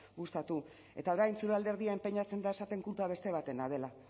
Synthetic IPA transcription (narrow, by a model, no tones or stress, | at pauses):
ɡust̪at̪u | e̞̰t̪ao̞ɾajnsuɾald̪e̞ɾð̞iampe̞ɲat͡se̞nd̪aesat̪e̞ŋkulpaβe̞st̪e̞β̞at̪e̞nað̞e̞la